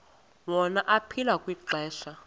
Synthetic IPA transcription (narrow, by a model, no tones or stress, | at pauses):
wɔnaʔapʰilakʼwiǃɛːɬa